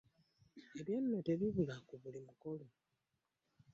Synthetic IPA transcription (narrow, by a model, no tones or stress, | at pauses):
eβjenːote̞βiβulakuβulimukolo